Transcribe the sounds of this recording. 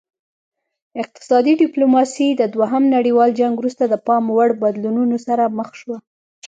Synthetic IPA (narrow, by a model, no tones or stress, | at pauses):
ɪq̚t̪ɪ̥sɑd̪iɖɪplomɑsid̪əd̪waɦamnaɽiwɑld͡ʒaŋɡwɾust̪ad̪əpɑmwaɽbad̪lununosaɾaməxʃwa